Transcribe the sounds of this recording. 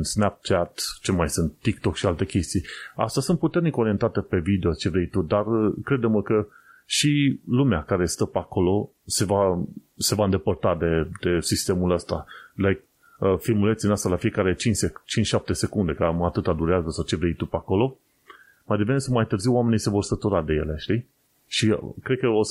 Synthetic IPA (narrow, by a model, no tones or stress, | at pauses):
nsnap̚t͡ʃat̪t͡ʃemajsunt̪ːikt̪o̞kʃialt̪e̞kʲe̞st̪ija̰st̪asunt̪put̪e̞rniko̞ɾie̞nt̪at̪epe̞vid̪e̞ot͡ʃe̞vɾejt̪ud̪arkɾe̞d̪eməkə | ʃilumeakaɾe̞st̪əpeako̞lo̞ | se̞vase̞vaɨnd̪epərt̪ad̪e̞d̪e̞sist̪e̞muləst̪alaj | əfilmulet̪sinast̪alafije̞kaɾet͡ʃint͡ʃset͡ʃint͡ʃʃap̚t̪e̞se̞kund̪e̞kamat̪ɨt̪ad̪uɾeazəsawt͡ʃe̞vɾejt̪upeako̞lo̞ | majd̪evenesumajt̪ɨrziwwame̞nijse̞vo̞rsət̪uɾad̪e̞je̞̰le̞ʃt̪i | ʃikɾed̪̚kəo